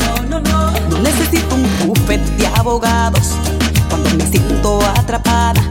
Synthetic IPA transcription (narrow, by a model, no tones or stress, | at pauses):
nõne̞se̞sit̪ouŋkufet̪d̪eaβoɣaðos | kwand̪ome̞sjent̪oat̪ɾapaða